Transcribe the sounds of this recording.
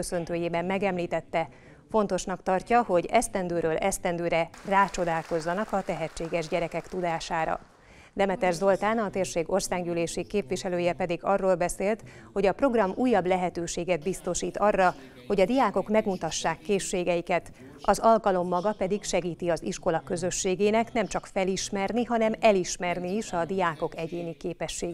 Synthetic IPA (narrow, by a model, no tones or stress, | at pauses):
øsø̞nt̪øːjeːbɛmːɛɡɛmliːt̪ɛt̪ːɛ | fo̞nt̪o̞ʃnɒkt̪ɒrcɒho̞ɟɛst̪ɛnd̪øːɾøːlɛst̪ɛnd̪øːɾɛraːt͡ʃo̞d̪aːlko̞zːɒnɒkɒt̪ɛɦɛt͡ʃːeːɡɛʒɟɛɾɛkɛkt̪ud̪aːʃaːɾɒ̰ | d̪ɛmɛt̪ɛrzo̞lt̪aːnɒt̪eːrʃeːɡo̞rsaːɡɟyleːʃikːeːpʋiʃɛløːjɛpɛd̪iɡɒrːoːlbɛseːlt̪ | ho̞ɟɒpro̞ɡrɒmuːjːɒblɛɦɛt̪øːʃeːɡɛd̪̚bist̪o̞ʃiːt̪ɒrːɒ | ho̞ɟɒd̪ijaːko̞kmɛɡmut̪ɒʃːaːkːeːʃːeːɡɛjikɛt̪ | ɒzɒlkɒlo̞mːɒɡɒpɛd̪ikʃɛɡiːt̪iɒziʃko̞lɒkø̞zø̞ʃːeːɡeːnɛknɛmt͡ʃɒkfɛliʃmɛrniɦɒnɛmɛliʃmɛrniːʃɒd̪ijaːko̞kɛɟeːnikeːpɛʃːeːɡ